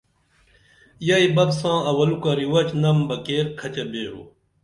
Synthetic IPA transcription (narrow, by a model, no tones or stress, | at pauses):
jɐibɐbsãːɐwɐlukaɾiwɐt͡ɕnɐmbɐkeːɾkʰɐt͡ɕɐbeːɦo̰